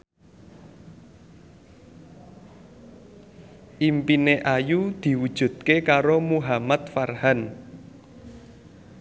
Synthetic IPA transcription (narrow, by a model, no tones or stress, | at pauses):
ʔimpineʔajud̪̥i̤wud̥ʒ̥ṳt̪̚kekaɾomuɦamat̪̚farhan